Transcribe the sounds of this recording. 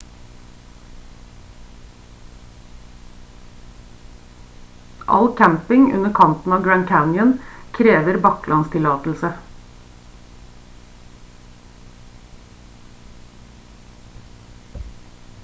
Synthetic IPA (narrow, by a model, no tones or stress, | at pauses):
ʔɑ̰lkʰæmpɪŋʉ̰nəɾkʰɑnt̪n̩ɑːʋɡɹænkʰæʊnjənkʰɾeːʋəɾbɑklɑnst̪ʰɪlɑːt̪l̩sə